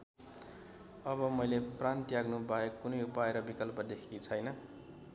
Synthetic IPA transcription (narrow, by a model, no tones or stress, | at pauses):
ʌbʌmʌjleprant̪jaɡnubaekːunʌjupaeɾʌbikʌlpʌd̪ekʰit͡sʰʌjnʌ